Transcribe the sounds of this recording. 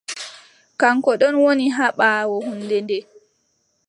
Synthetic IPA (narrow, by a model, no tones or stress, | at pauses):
kaŋkɔɗɔnwoniɦaɓawɔhunːdɛndɛ